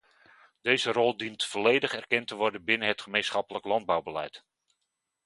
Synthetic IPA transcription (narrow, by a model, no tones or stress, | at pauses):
d̥ejzərɔlˠdintfɔlejdəχɛrkɛntəʋɔɹdənbɪnəɦətχəmejnsχɑpələklɑnd̚bawbəlɛ̰jt